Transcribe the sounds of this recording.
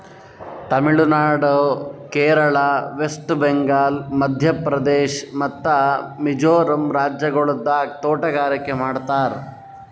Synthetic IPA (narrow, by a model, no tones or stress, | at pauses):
t̪ɐmiɭunaːɽkeːɾɐɭaːʋesʈbeŋɡaːlmɐd̪ʱjɐpɾɐd̪eːʃmɐt̪ːɐmid͡ʒoːɾɐmɾaːd͡ʒjɐɡɐɭud̪ːaːt̪oːʈɐɡaːɾɐkːemaːɖt̪aːɾ